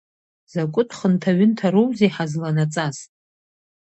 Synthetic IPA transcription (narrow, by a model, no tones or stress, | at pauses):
z̥akʷʼʊtʰʼχəntʰaɥʏntʰaɾowzeħazlanat͡sʼasʼ